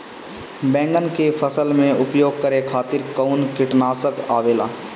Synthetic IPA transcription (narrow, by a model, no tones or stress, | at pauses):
bɛ̃ːŋɡənkepʰəsəlmẽʊpjoːɡ̚kəɾekʰaːt̪ɪɾkəʊnkɪʈnaːsəkaːʋeːla̰ː